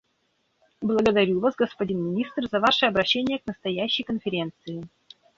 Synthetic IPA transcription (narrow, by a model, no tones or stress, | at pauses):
blˠəɡəd̪ɐɾʲuvasɡəspɐdʲinmʲɪnʲist̪rzɐvaʂɨɐbɾɐɕːenʲɪjəknəst̪ɐjæɕːɪjkənfʲɪɾʲe̞nt̪sɨɪ